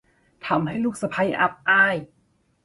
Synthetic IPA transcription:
t̪ʰa˧˦mha˥˩jluː˥˩k̚sa˧pʰa˧jʔa̰˧p̚ʔaː˧˥˩j

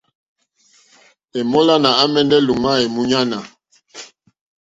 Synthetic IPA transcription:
ɛ˨mɔ˦la˦na˨a˦mɛ˦ndɛ˦lu˨ma˦e˨mu˦ɲa˦na˨

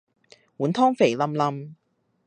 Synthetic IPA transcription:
wuː˨˥nt̪ʰɔː˥ŋfe˨˩jlɐ˧mlɐ˧m

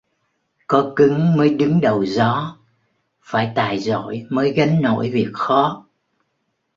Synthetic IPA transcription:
kɔ˨˦kɨ˨˦ŋməː˨˦jɗɨ˨˦ŋɗə˨˩wzɔ˨˦ | faː˧˩jt̪aː˨˩jzo̰˧˨jməː˨˦jɣa˨˦nno̰˧˨jvi˨˩ək̚xɔ˨˦

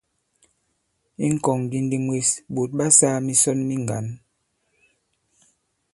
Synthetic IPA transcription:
i˦ŋ̩˦kɔ˨ŋɡi˦ndi˦mwe˦sɓo˨t̚ɓa˦saː˦mi˦sɔ˦nmi˦ŋ˨ɡa̰˨˦n

